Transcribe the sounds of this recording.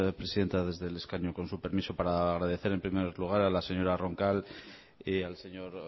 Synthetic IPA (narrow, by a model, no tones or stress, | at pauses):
pɾe̞siðe̞nt̪aðe̞zðe̞le̞skaɲuko̞nsupe̞ɾmiso̞paɾaːɣɾaðe̞θe̞ɾempɾimeɾluɣ̞aɾalase̞ɲo̞ɾaro̞ŋkal | alse̞ɲo̞ɾ